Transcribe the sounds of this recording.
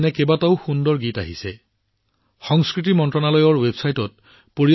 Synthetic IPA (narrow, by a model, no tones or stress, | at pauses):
nɛkebataʊxundɔɹɡita̰ɦisɛ | xɔŋskɹit̬imɔntɹɔnalɔjɔɹwebsajtɔt̚ | poɹi